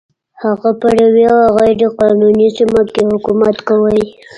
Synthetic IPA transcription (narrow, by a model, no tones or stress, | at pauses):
haɣapaɽaweaɣajɾeqɑnunisimakehʊkumat̪kawaj